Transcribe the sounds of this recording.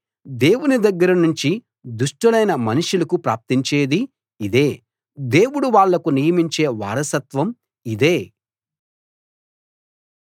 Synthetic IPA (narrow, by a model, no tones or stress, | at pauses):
d̪e̞ːwunid̪ɐɡːɐɾɐnuɲt͡ʃi | d̪uʂʈɐlɐjnɐmɐnuʂulɐkupɾa̰ːp̚t̪iɲt͡ʃeːd̪i | id̪e̞ː | d̪e̞ːwuɽuʋaːɭːɐkunijɐmiɲt͡ʃe̞ːʋa̰ːɾɐsɐt̪ʋɐm | id̪eː